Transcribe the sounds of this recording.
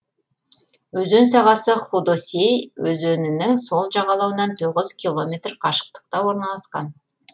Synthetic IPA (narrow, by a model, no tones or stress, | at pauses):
wɵzɵnsɑʁɑsəχud̪osejwɵzɵnɪnɪŋso̞lˠʒɑʁɑlˠɑwənɑnt̪ʰoʁəzkʲʰilˠo̞mʲe̞t̪rqʰɑʃə̥q̚t̪ə̥q̚t̪ɑwo̞ɾnɑlˠɑsqɑn